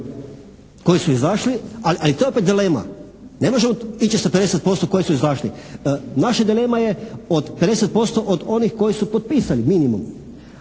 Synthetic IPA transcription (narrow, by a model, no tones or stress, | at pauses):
ko̞jisuizaʃlialiʔalit̪oeopet̪d̪ileːma̰ | ne̞mo̞ʒemoit͡ʃisaped̪eset̪̚po̞st̪oko̞jisuizaʃlḭnaʃad̪ile̞maje̞od̪ped̪e̞set̪̚po̞st̪o̞ʔod̪o̞nixko̞jisupot̪̚piːsaliminimṵm